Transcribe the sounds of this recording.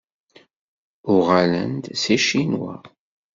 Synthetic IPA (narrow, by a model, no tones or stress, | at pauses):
ʊʁalə̰nd̪siʃinwa̰